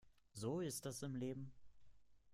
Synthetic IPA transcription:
zoːɪst̚d̥asɪmleːbm̩

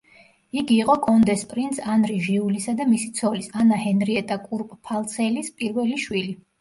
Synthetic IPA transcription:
iɡiːqʼɔɡʰɔnd̪ɛspʼɾint̪sanɾiʒiulisad̪amisit̪sʰɔlisanahɛnɾiɛt̪ʼakʼuɾpʼpʰalˠt̪sʰɛlispʼiɾvɛliʃwili

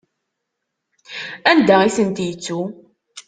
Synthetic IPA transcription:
ænd̪æiθənt̪jət͡sːu

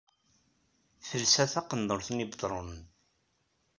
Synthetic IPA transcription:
fəlsæθæqənd̪oɾθənibd̪ˤɾˤonən

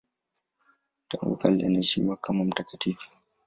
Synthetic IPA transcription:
taŋṵkalʔɛ̰nɛd͡ʒimakːamumtakatiːf

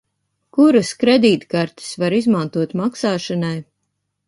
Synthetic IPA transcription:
kuɾuskɾed̪iːt̪kaɾt̪i̥svaɾizmant̪uɔt̪maksaːʃanaj

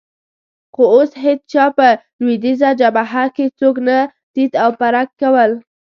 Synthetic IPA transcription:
xooshed̪̚t͡ʃɑpə | lwed̪izad͡ʒabaɦaket͡sokna | t̪it̪awpaɾakːawəl

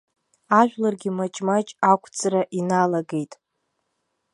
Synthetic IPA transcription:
aʒᶣʷlarɡʲɪmat͡ʃʼmat͡ʃʼakʷʰʼt͡sʰʼraʔinalaɡe̞jtʼ

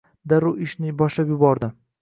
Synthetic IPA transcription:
d̪aɾʊɪʃnɪbɒʃlapjʊbɒɾd̪ɪ

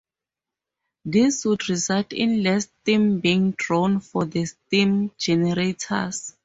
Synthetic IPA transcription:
diswudɹizaltḭ̃nlɛstĩmbĩːŋdɹõnfɔdəstĩmd͡ʒɛnɛɹetʰa̰s

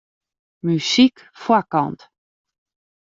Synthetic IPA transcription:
mysik | fwakɑ̰nt

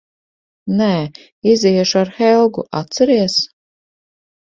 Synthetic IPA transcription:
nɛː | iziɛʃuaɾxɛlˠɡṵʔa̰t̪sɛɾiɛs

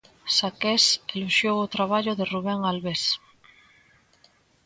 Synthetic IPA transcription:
sakɛseluʃjowot̪ɾaβ̞aʎʊðeruβ̞ɛŋalβes

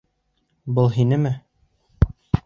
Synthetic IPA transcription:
bɤlˠɦinɘmɘ

